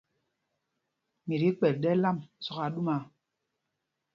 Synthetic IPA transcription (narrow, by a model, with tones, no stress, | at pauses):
mi˨ɾi˨˦k͡pɛ˨t̚ɗɛ˦la˦˨m˨sɔ˨ka˨ɗu˦ma˨